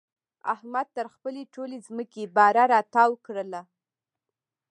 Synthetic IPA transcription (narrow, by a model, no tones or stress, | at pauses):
a̰hmad̪̚t̪əɾxpəleʈolezməkebɑɾaɾɑt̪ɑwkɽəla